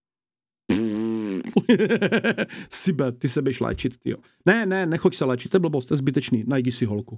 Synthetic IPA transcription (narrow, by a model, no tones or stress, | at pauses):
sibɛt̪isɛbujɛʃlɛ̰ːt͡ʃit̪t̪ɪ̰o̰ | nɛnɛnɛxocsɛlɛːt͡ʃɪt̪ːɛbl̩əbost̪ɛzbit̪ɛt͡ʃniːnajɟisɪɦolku